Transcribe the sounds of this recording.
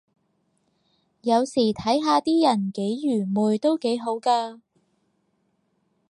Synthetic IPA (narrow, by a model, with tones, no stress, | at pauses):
jɐ˨˧wsiː˨˩t̪ʰɐ˨˥jɦaː˧t̪iː˥jɐ˨˩nke˨˥jjyː˨˩muː˨jt̪o˥wke˨˥jɦo˨˥wkaː˧